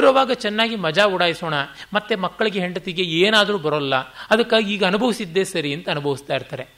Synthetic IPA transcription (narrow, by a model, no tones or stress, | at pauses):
ɾɐʋaːɡɐt͡ʃɛnːaːɡimɐd͡ʒaːuɽaːjiso̞ːɳɐmɐt̪ːe̞mɐkːɐɭiɡeɦeɳɖɐt̪iɡeeːnaːd̪ɐɾuːbɐɾolːɐɐd̪ɐkːaːɡiiːɡɐːnubʱɐʋisid̪ːe̞ːsɐɾiɐnt̪ɐːnubʱɐʋist̪aːjiɾt̪aːɾe̞